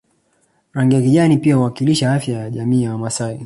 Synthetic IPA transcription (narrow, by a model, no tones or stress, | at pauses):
ɾaŋɡiakiʄanipiahuwakiliʃaafjajaʄamiːjawamasai